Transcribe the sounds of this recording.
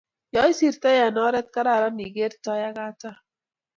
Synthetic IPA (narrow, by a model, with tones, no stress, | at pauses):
jɔ˦jsi˨ɾt̪ɛ˦ja˨nɔ˦ɾɛ˦t̪̚ka˦ɾa˨ɾa˦ni˨ɡe˦ɾta˦ja˦ɡa˦ta˦